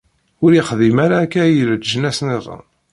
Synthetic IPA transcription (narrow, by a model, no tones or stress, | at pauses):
ʊɾjɪχðimaɾaːkːæjəlt̪ʒənæsnirˤːɑ̰n